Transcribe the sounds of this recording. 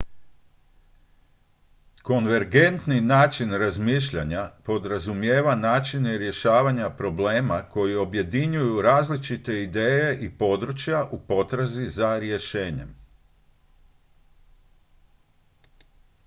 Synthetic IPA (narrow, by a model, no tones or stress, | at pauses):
ko̞nʋe̞ɾɡent̪ninaːt͡ʃinɾazmiːʃʎaɲapo̞d̪ɾazumje̞ːʋanaːt͡ʃineɾje̞ʃaːʋaɲapɾo̞ble̞ːmako̞jio̞bje̞d̪iɲujuɾaːzlit͡ʃit̪e̞id̪eːje̞ʔipo̞d̪ɾut͡ʃjaʔupo̞t̪ɾazizaɾje̞ʃe̞ːɲe̞̰m